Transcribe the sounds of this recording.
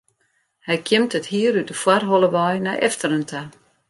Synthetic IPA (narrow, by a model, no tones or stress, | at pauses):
hɛjkʰjɪmtəthiːəɾytəfwarɦolˠəʋajnaʔɛ̰ftəɾəntʰa